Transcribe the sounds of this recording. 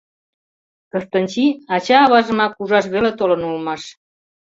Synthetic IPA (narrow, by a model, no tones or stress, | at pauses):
kəst̪ɑnʲt͡ɕiɑt͡ɕɑːβɑʒə̆mɑkuʒɑʃ̬βelet̪olɤ̆nulmɑʃ